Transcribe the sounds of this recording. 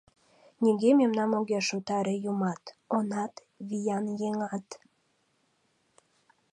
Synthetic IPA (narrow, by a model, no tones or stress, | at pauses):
nʲeɡememnɑmoɣʲeʃut̪ɑɾejumɑt̪onɑt̪ | βijɑnjeŋɑt̪